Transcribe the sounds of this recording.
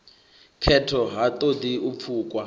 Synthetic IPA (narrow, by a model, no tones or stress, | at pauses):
kʰɛtʰɔɦat̪ʼodiup̪fʰuːkʼwa